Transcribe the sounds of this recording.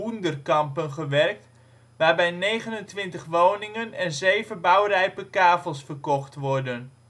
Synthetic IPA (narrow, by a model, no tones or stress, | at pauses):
undərkɑmpənχəʋɛrk̚t | ʋaːrbɛjnejɣənəntʋɪntəχʋownɪŋənɛnzejvəbawrɛjpəkaːfəlˠsfərkɔχtʋɔrdən